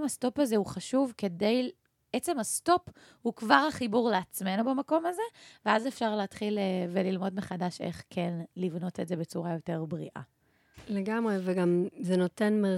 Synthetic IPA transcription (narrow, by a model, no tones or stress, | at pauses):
masto̞pazeuχaʃuvke̞de̞j | et͡se̞masto̞p | hukvaʁhaχibuʁleat͡sme̞nubemako̞maze̞veazefʃaʁleːtχilvelilmo̞dmeχadaʃḛχkʰenlivno̞teze̞be̞t͡suʁajo̞te̞ʁbʁḭʔa̰ | leɡamʁeveɡamzeno̞tenme